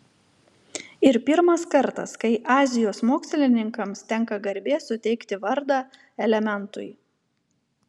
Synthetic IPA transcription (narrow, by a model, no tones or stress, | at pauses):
ɪɾpʲɪɾmɐskɐɾt̪ɐ̰skɐɪʔɑːzʲɪjoːsmoːksʲlʲɪnʲɪŋkɐmst̪ʲɛŋˑkɐɡɐɾʲbʲeːsʊt̪ʲɛɪkt̪ʲɪʋɐɾd̪ɑː | ɛlʲɛmʲɛnt̪ʊ̰ɪ